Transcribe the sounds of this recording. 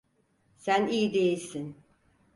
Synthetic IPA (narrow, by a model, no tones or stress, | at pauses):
sæniːd̪e̞jilʲsin